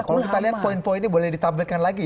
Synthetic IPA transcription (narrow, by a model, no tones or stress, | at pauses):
kalokit̪aliɦat̪̚poinpoinibolɛhdit̪ampilkanlaɡi